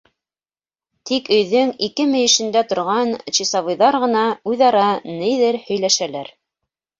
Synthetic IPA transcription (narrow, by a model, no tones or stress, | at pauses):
t̪ikɵ̆jðɵŋikɘmɘ̆jɘ̆ʃɘ̆nd̪æt̪ŏɾʁɑnɕisɑβɤ̆jðɑɾʁɤ̆nɑʉðɑɾɑnɘjðɘɾhɵ̆jlæʃælæɾ